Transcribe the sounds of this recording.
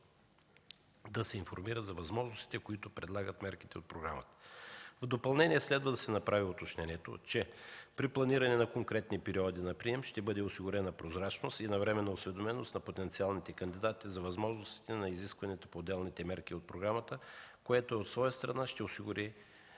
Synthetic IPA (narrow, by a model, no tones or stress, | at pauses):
d̪ɐsɛinfoɾmiɾəzɐvɐzmɔʒnost̪i̥t̪ɛkoit̪opɾɛd̪lˠaɡət̪mɛɾkit̪ɛot̪̚pɾoɡɾa̰mət̪ə̥vd̪opɐlˠnɛnʲiɛslɛd̪vəd̪ɐsɛnɐpɾaviot̪ot͡ʃnɛniɛt̪o̰t͡ʃɛpɾiplˠɐniɾɐnɛnɐkoŋkɾɛt̪nipɛɾiɔd̪inɐpɾiɛmʃt̪ɛbɤd̪ɛosiɡʊɾɛnɐpɾozɾat͡ʃnost̪inɐvɾɛmɛnɐosvɛd̪omɛnost̪nɐpot̪ɛnt̪sialˠnit̪ɛkɐnd̪id̪at̪izɐvɐzmɔʒnost̪i̥t̪ɛnɐiziskvɐnɛt̪ə̥poːd̪ɛlˠnit̪ɛmɛɾk̟iot̪̚pɾoɡɾamət̪əkoɛt̪oot̪svɔjəst̪ɾɐnaʃt̪ɛosiɡʊɾi